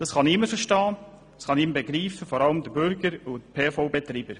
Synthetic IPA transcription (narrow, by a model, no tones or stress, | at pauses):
d̥ɑsχɑnɪməɾfəɾʃtɑ̥ː | sχɑnɪmbeɡɾiːfəfɔɾɑləmd̪əbʏɾɡəɾʊtpʰeːfobɛt̪ɾiːbəɾ